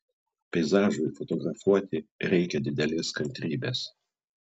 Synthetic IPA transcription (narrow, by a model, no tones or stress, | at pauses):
pʲɛɪzɑːʒʊɪfɔt̪ɔɡɾɐfuɔt̪ʲɪɾʲɛɪkʲɛd̪ʲɪd̪ʲɛlʲeːskɐnʲt̪ʲɾʲiːbʲeːs